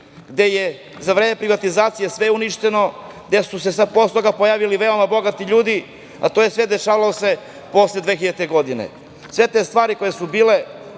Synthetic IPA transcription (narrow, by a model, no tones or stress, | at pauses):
ɡd̪eje | zaʋɾeːme̞pɾiʋat̪izaːt̪sije̞sʋeuniʃt̪eno̞ | ɡd̪esusesapost̪oɡapojaːʋiliʋe̞o̞mabo̞ɡat̪iʎuːd̪i | a̰t̪ojesʋed̪e̞ʃaːʋaose̞ | po̞sled̪ʋeːxiʎat̪eɡo̞d̪inḛ | sʋe̞t̪e̞st̪ʋaːɾikojesubiːle̞